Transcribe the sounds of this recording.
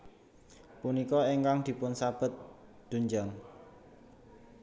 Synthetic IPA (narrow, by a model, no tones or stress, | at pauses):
punikɔeŋkaŋd̪̥i̤pʊnsab̥ə̤t̪̚ | d̪̥ṳɲd͡ʒaŋ